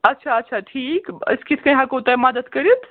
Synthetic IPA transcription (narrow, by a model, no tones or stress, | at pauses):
ɐtːʃʰaɐtːʃʰaʈʰiːkɐ̰skit̪ʰkɐ̃jɦakot̪ajmad̪ət̪kəɾit̪ʰ